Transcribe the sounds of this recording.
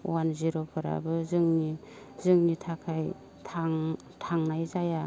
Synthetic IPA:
wanziɾopʰɯɾa̰bɯzɯŋni | zɯŋnitʰakʰaj | tʰaŋ | tʰaŋnajzaja

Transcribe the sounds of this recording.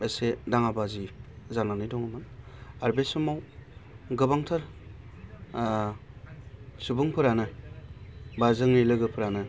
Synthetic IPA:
esedaŋabazizananɯjdɔŋɯmɯnaɾbesumaw | ɡɯbaŋtʰaɾ | subuŋpʰɯɾanɯ | bazɯŋnilɯɡɯpʰɯɾanɯ

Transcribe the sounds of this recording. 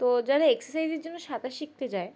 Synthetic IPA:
t̪od͡ʑaɾaeksəɾsajzeɾd͡ʑonːoʃat̪aʃik̚t̪ed͡ʑae

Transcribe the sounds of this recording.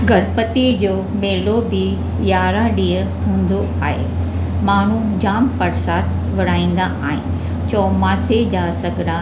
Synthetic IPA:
ɡʱɐɽpət̪id͡ʑoːmeːlobɪ | jaːɾaɗiː | ɦũːnd̪o | aːɦḛ | maːɳ̤ud͡ʑaːmpɐɾsaːt̪ | ʋɐɽ̤aːĩːn̆d̪aʔaːɦɪ̰nɪ̆ | t͡ɕɔːmaːsed͡ʑaːsɐɡʱɾa

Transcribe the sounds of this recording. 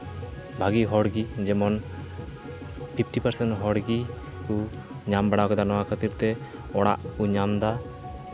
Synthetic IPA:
bʱaɡiɦɔɽɡid͡ʒɛmɔn | pʰipʰʈipaɾsɛnʈɦɔɽɡi | ku | ɲambɛɽakɛd̪anɔwakʰət̪iɾt̪ɛ | ɔɽa̰ʔkuɲamd̪a

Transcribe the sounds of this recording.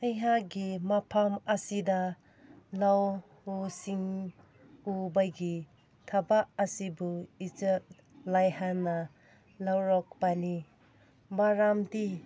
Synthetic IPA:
ɐjɦaɡimapʰamɐsida | law | usiŋ | ubajɡi | tʰabaʔɐsibuid͡ʒet̚ | lajhana | lawɾɔk̚pani | maɾamdi

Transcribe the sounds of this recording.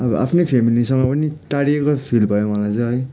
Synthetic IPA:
ʌbʌʔa̰pʰnepʰemilisʌŋmapʌniʈaɽiekopʰilbʱʌjomʌlat͡sʌ̃ɦʌj

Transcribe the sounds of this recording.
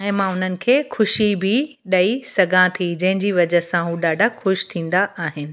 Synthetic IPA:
ɛ̃ːmãʊn̤ənɪ̆kʰeːxʊʃibʱɪ | ɗɐisɐɡʱãt̪ʰid͡ʑɐ̃ɦɪ̃ɲd͡ʑiːʋɐd͡ʑəsãɦuɗaːɖʱaxʊʃt̪ʰĩːnd̪aaːɦɪnɪ̆

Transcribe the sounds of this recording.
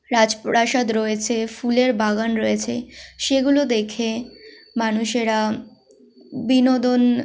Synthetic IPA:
ɾad͡ʑpɾaʃad̪ɾoet͡ɕʰefuleɾbaɡanɾɔjet͡ɕʰeʃeɡulod̪ekʰe | manuʃeɾa | binod̪on

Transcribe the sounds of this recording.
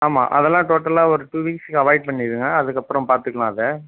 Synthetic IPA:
aːma̰ːʔɐ̰ðɛlːãːʈoːʈːɐlaːɔɾɯʈuːʋiːkskːɯɐʋɐɪɖ̚pɐɳːɪðɯŋɡɐɐðɯkːɐpːɯɾɐ̃mpaːɾt̪ɯkːɐɭãːɐðɯ

